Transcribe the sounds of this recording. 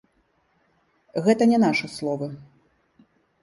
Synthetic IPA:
ɣɛt̪ɐnʲɛnaʂɨslˠɔvɨ

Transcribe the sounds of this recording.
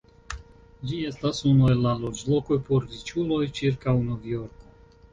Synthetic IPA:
d͡ʒie̞stasunuelːalod͡ʒlo̞ko̞jpoɾɾit͡ʃulojt͡ʃiɾkawnovjo̞ɾko

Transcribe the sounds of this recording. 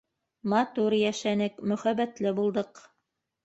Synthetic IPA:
mɑt̪uɾjæʃænɘkmɵ̆χæβæt̪lɘbulˠd̪ɤq

